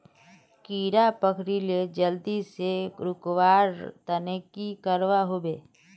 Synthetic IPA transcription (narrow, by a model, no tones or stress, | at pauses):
kiːɾapəkʰɾiled͡ʒəld̪iseɾʊkwaːɾt̪ənekikəɾwaɦobeː